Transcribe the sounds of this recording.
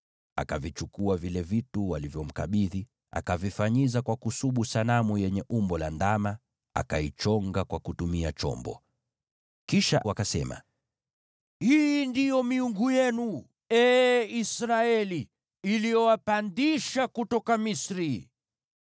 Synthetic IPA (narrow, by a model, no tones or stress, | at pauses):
a̰kavit͡ʃukuavilɛvituwalivjɔm̩ka̰ɓiði | a̰kavifaɲizakwakusuɓusanamujɛɲɛʔumbɔlandama | a̰kait͡ʃɔŋɡakwakutumiat͡ʃɔ̰mbɔ̰ | kiʃawakasɛma̰ | hindijɔmiuŋɡujɛnu | ɛːisɾaɛliː | lijɔwapandiʃakutɔkamisɾi